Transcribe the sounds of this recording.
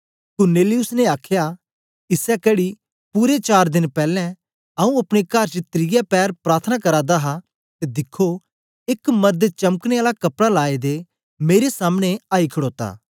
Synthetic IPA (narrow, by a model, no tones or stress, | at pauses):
kʊɾneːlɪʊsneaːkʰja | ɪsɛkɛːɽi | puːɾet͡ʃaːɾd̪ɪnpɛːlɛ̃ | aũɐpɽ̃ekɐɾt͡ʃət̪ɾɪjɛpɛːɾpɾaːɾt̪ʰənakɐɾad̪aɦa | t̪ed̪ɪkʰːo | ɪkmɐɾd̪t͡ʃɐməkɽ̃eaːlakɐpɽalaːed̪e | meːɾesaːmɽ̃eaːikʰəɽoːt̪a̰ː